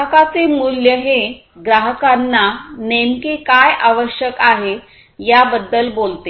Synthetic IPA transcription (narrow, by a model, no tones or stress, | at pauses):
əkat͡semuljəɦe | ɡɾaɦəkanːanemkikajʔaʋəɕjəkaɦe | jabəd̪ːəlbolt̪e